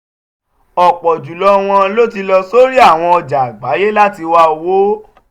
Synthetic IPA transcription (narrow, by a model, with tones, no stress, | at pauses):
ɔ˨k͡pɔ˨d͡ʒu˨lɔ˧˦˧w̃ɔ̃˧lo˦t̬i˧lɔ˧so˦ɾi˦a˦˨w̃ɔ̃˧ɔ˧d͡ʒa˨a˨ɡ͡ba˨˦je˦la˦ti˧wa˧o˧wo˦